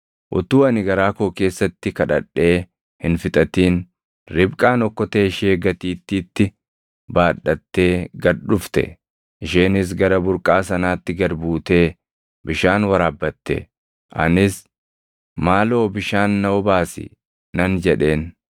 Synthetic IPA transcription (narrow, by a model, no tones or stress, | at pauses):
ʔʊ̰t̪uːɐnɪɡɐɾaːkoːke̞ːsːɐt̪ːɪkɐᶑɐᶑːe̞ː | hɪnfɪt̪ʼɐt̪iːn | ɾɪbkʼaːnɔkːɔt̪eːʃeːɡɐt̪iːt̪ːiːt̪ːɪ | baːᶑːɐt̪ːe̞ːɡɐɾᶑʊft̪ɛ̰ | ʔɪʃeːnɪs̬ɡɐɾɐbʊɾkʼaːsɐnaːt̪ːɪɡɐɾbuːt̪e̞ː | bɪʃaːnwɐɾaːbːɐt̪ːḛ | ʔɐ̰nɪs | maːlo̞ːbɪʃaːnːɐwɔbaːsɪ̰ | nɐnd͡ʒɛᶑe̞ːn